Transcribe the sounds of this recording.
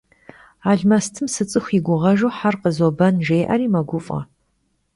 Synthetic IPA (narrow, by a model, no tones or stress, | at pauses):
aːɮmɐstʰɨmsɨt͡sʼɨxʷiɡʷʊʁɐʒowħarqəzobɐnʒejʔɐ̰ɾiːmɐɡʷʊfʼɐ̰